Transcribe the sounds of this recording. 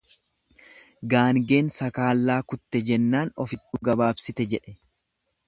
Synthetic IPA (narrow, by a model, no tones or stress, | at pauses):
ɡaːŋɡe̞ːnsɐkaːlːaːkʊt̪ːɛd͡ʒɛnːaːnɔfɪt̪ːuːɡɐbaːbsɪt̪ɛd͡ʒɛᶑɛ